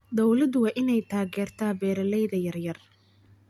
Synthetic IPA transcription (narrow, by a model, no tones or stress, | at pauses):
d̪ɔwlɐd̪wɑːʔɪnɛjt̪ʰaːɣɛːrt̪ʰaːbɛːɾɐlɛjðɐjɐrjɐr